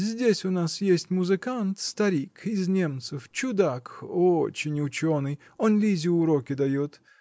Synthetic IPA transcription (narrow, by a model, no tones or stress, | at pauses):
zʲdʲesʲʊnasjesʲtʲmʊzɨkant̪st̪ɐɾʲikɪznʲe̞mt̪sɨft͡ɕʊd̪akot͡ɕɪnʲʊt͡ɕonɨj | onlʲizʲʊʊɾokʲɪd̪ɐjot̪